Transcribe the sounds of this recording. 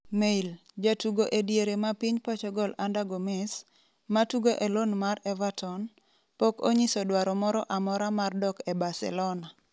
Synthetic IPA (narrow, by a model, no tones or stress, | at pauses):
meild͡ʒatuɡoʔedjeɾemapiɲpɔt͡ʃɔɡɔlandaɡɔmɛs | matuɡoʔelonmaɾɛvatɔn | pɔko̰ɲisɔdwaɾɔmɔɾɔʔamɔɾamardɔkɛbasɛ̰lɔna